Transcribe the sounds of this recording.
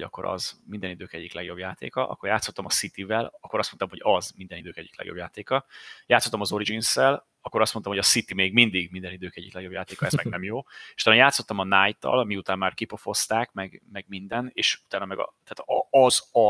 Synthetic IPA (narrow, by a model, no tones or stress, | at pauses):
ɒ̰kːo̞ɾɒ̰zmind̪ɛnid̪øːkɛɟːiklɛɡjo̞bjaːt̪ḛːkɒʔɒ̰kːoɾjaːt̪so̞t̪ːɒmɒsit̪ivɛlɒkːo̞ɾɒst̪ot̪ɔmho̞ɟɒzmind̪ɛnid̪øːkɛ̰ɟːiklɛ̰ɡjo̞bjaːt̪eːkɒjaːt̪sːot̪ːɒmɒzo̞ɾid͡ʒinsɛl | ɒkːo̞ɾɒst̪mont̪oɔmhoɒsit̪imeːɡmind̪iɡmind̪ɛnid̪øːkɛɟːiklɛɡjo̞bjaːt̪eːkɒɛzmɛɡnɛmjoːeʃut̪aːnojaːt̪sːo̞t̪ːɒmɒnaːjt̪ːɒ̰lmiut̪aːmːaːrkipo̞fo̞st̪aːkmɛɡmɛɡmind̪ɛneːʃut̪aːnɒmɛɡɒ̰t̪aːt̪ɒzɒ